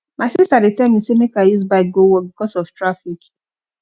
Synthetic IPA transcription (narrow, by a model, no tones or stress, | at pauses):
masisadetãmisenekajusbaɪɡowɔbikɔsɔftɹafik